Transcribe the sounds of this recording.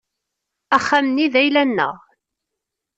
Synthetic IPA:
æχːæmnːiðæjlænːə̰ʁ

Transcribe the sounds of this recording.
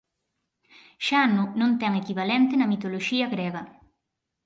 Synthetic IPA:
ʃanunõnt̪ɛŋekiβalɛnt̪ɪnɐmit̪oloʃiɐɣɾɛɣɐ

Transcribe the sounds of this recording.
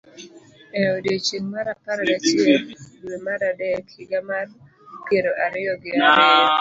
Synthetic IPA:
ɛodet͡ʃeŋmaɾapaɾalat͡ʃɪeldwemaɾadɛkʰɪɡamar | keɾoʔaɾɪɔɡɪaɾɪɔ

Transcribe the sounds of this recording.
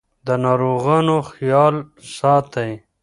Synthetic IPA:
d̪ənɑɾoɣɑnoxjɑːlsɑːt̪aj

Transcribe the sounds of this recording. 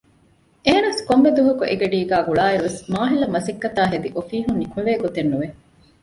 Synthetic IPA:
eːnɐskombed̪uɦɐkuʔeɡeɖiːɡæːɡuɭaːeɾuʋesmaːɦilɐmɐsikːɐt̪aːɦed̪iʔofiːɦunːikeʋeːɡot̪enːuʋe

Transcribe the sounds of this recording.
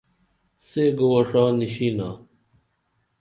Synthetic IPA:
seɡowɐʂaːniɕinaː

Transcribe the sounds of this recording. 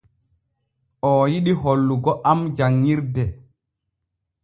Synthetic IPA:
ʔɔjiɗiɦolːuɡɔʔamd͡ʒaŋːiɾdɛ

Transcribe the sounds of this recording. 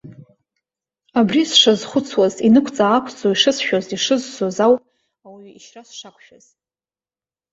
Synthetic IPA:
abrisʂazχʷʊt͡sʰwazinɨkʷʰt͡sʼaːkʷʰt͡sʼoiʂɨsʃᶣoziʂɨzsozaw | awiːʃrasʂakʷʰʼʃᶣaz̥

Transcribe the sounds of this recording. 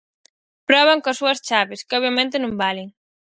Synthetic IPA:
pɾɔβɐŋkasːuɐst͡ʃaβɪskɪɔβjamẽnt̪ɪnõmbaleŋ

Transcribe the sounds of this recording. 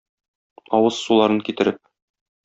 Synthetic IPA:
ɒwɤzsulˠɑɾɤŋkit̪ɘ̆ɾɘp̚

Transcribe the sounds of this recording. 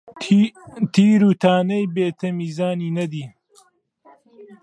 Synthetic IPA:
t̪iːɾuːt̪ʰaːnɐjbeːt̪ʰɐmiːzaːniːnɐd̪iː

